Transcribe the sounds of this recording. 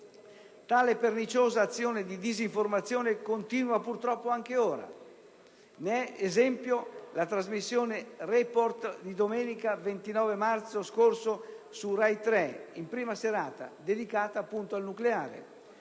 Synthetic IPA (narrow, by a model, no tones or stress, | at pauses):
t̪aːlepernit͡ʃoːzaːt̪sːjoːned̪id̪iziɱformat̪sːjoːnekont̪iːnuapurt̪ɾɔpːoaŋk̟eoːɾa̰ | neɛezɛmpjolat̪ɾazmisːjoːnerɛport̪d̪id̪omɛːnikavent̪inɔːvemart̪soskorso | surajt̪ɾɛimpɾiːmaseɾaːt̪a̰d̪ed̪ikaːt̪aːpːunt̪oalnukleaːɾḛ